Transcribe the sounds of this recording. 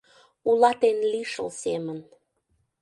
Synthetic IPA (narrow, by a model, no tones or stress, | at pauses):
ulɑt̪enliʃə̰lsemən